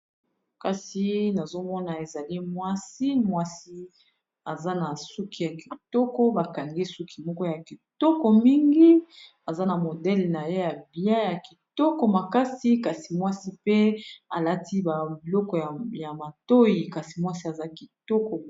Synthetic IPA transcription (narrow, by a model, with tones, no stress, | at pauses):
ka˦si˦na˨zo˦mɔ˦na˨e˨za˨li˦mwa˦si˦mwa˦si˦ | a˨za˦na˨su˦kʰi˦ja˨ki˨tɔ˦kɔ˦ba˨ka˨ŋɡi˦su˦kʰi˨mɔ˦kɔ˦ja˨ki˨tɔ˦kɔ˨mi˦ŋɡi˦ | a˨za˦na˨mo˨dɛ˦lna˨je˦ja˨bi˨a˦ja˨ki˨tɔ˦kɔ˨ma˨ka˦si˦ka˨si˨mwa˦si˦pe˦a˨la˦ti˦ba˨bi˨lɔ˦kɔ˨ja˨ma˨to˦ji˨ka˨si˨mwa˦si˦a˨za˦ki˨tɔ˦kɔ˨